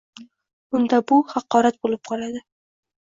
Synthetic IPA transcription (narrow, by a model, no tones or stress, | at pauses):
ʊnd̪abʊhɑqɒɾat̪̚bolɪp̚qʰɒlad̪ɪ